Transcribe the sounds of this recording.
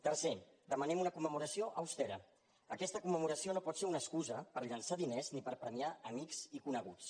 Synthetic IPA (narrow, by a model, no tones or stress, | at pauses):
t̪ərse | d̪əmənɛmunəkumːəmuɾəsioʔəwst̪ɛɾə̰ | əkɛst̪əkumːəmuɾəsionopɔt̪seunəskuzəpəɾʎənsaðineznipəɾpɾəmiaəmikzikunəɣ̞ut͡s